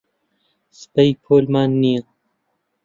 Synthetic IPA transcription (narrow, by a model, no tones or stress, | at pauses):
spɐjpʰoːlmaːnːi